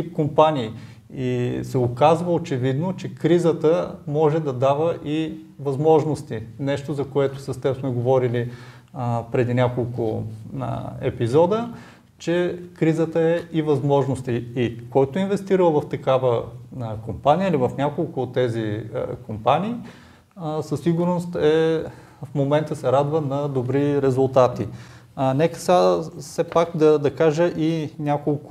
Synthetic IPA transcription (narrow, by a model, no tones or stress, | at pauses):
ip̚kompaniː | isɛokazvəot͡ʃɛvid̪not͡ʃɛkɾizət̪əmɔʒɛd̪ɐd̪avəʔi | vɐzmɔʒnost̪inɛʃt̪ozɐkoɛt̪ʊ̥sɐst̪ɛpsmɛɡovɔɾili | pɾɛd̪inʲakolˠkʊ̰ | ɛ̰pizɔd̪ə | t͡ʃɛkɾizət̪əɛivɐzmɔʒnost̪iːkɔjt̪oinvɛst̪iɾəlˠvɐft̪ɐkavəkompanijəilivɐfnʲakolˠkʊːt̪ːɛzikompaniː | səsiɡʊɾnost̪ɛ | fmomɛnt̪əsɛɾad̪vənɐd̪obɾiɾɛzulˠt̪at̪i | nɛkə̥ssɛpakd̪ɐd̪ɐkaʒəʔinʲakolˠk